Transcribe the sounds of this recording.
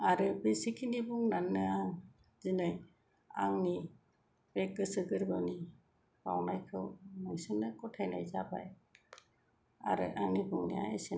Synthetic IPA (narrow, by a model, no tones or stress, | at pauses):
aɾɯbisikʰinibuŋnanːɯaŋ | zinɯj | a̰ŋni | b̥ek̚ɡɯsɯɡɯɾbɯwni | b̥a̰wnajkʰɯwmajsɯnːɯkɔtʰajnajzaba̰j | a̰ɾɯ̰ʔaŋnibuŋnḭa̰esin